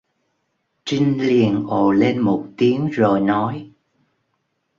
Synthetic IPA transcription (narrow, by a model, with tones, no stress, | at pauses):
t͡ɕi˧ŋ̟li˨˩ənʔo˨˩le˧nmo˨˩t̚t̪i˨˦əŋzo˨˩jnɔ˨˦j